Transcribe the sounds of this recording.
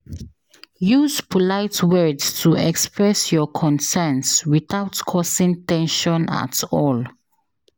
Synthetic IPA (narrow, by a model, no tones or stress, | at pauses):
juzpʰɔlaɪtʰwɜdstʰuɛkspɹɛsjɔkʰɔ̃nsɛnswiθawtkʰɔsĩŋtɛ̃nʃɔ̃na̰tɔl